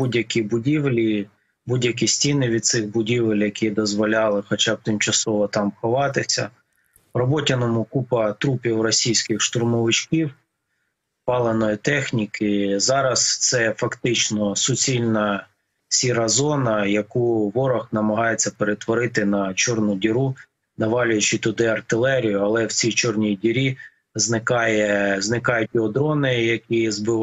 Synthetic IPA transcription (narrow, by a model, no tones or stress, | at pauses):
budʲjɐkʲibʊdʲiwlʲi | budʲjɐk̬ʲisʲtʲinɪʋʲid̪t̪sɪɣbʊdʲiʋɪlʲjɐkʲid̪ɔzʋɔlʲɑlˠɪxɔt͡ʃɑb̚t̪ɪmt͡ʃɐsɔʋɔt̪ɑmxɔʋɑt̪ɪsʲɐ | rɔbɔtʲɐnɔmʊkupɐt̪ɾupʲiwrɔsʲijsʲkɪxʃt̪ʊɾmɔʋɪt͡ʃkʲiw | pɑlˠenɔjit̪ɛxnʲikɪzɑɾɐst̪sɛfɐkt̪ɪt͡ʃnɔsʊt͡sʲilʲnɐ | sʲiɾɐzɔnɐjɐkuʋɔɾɐxnɐmɐɦɑjet͡sʲːɐpeɾet̪ʋɔɾɪt̪ɪnɐt͡ʃɔrnʊdʲiɾu | nɐʋɑlʲʊjʊt͡ʃɪt̪ʊd̪ɪɐrt̪ɪlˠɛɾʲijʊɐlˠɛwt͡sʲijt͡ʃɔrnʲijdʲiɾʲi | znɪkɑjɛznɪkɑjʊtʲɔd̪ɾɔnɪjɐkʲizbɪʋ